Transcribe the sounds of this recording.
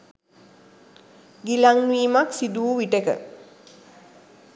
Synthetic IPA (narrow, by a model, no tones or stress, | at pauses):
ɡilaŋnʋiːmaksid̪uːʋiʈəkə̰